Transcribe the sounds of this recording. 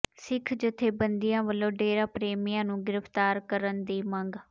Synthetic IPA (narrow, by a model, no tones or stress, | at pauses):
sɪkʰd͡ʒʊt̪ʰːeːbənd̪ijãːʋəlːõːɖeːɾãːpɾeːmijãːnũːɡɪɾəpt̪aːɾkəɾənd̪iːməŋɡ